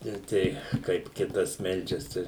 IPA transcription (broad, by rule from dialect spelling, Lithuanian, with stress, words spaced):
ɪr ˈtʲɛɪ kɐɪp ˈkʲɪtɐs ˈmʲɛlʲd͡ʒʲɛs ˈtɐɪ